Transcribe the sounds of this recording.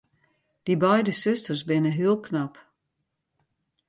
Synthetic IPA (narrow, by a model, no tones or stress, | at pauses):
d̥ibɛjdəsʏstərsbɪnəɦiəlˠkʰnap